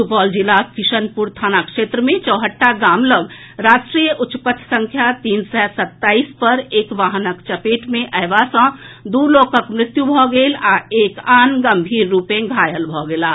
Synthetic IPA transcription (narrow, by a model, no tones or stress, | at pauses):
upɔːld͡ʒɪlaːskɪʃənpuɾt̪ʰaːnakʃeːt̪ɾəmẽt͡ʃɔːɦəʈːaɡaːmləɡ | ɾaːʃʈɾiːjəʔʊtʃpət̪ʰːsə̃ŋkʰjat̪iːnsɛːsɐt̪ːaːiːspəɾeːkʋaːɦnəkt͡ʃəpeːʈmẽʔɛːʋasə̃d̪uːloːkəkmɾɪt̪jubʱɔɡeːlaeːkaːnɡə̃mbʱiːɾːuːpẽɡʱaːjəlbʱɔːɡeːlaː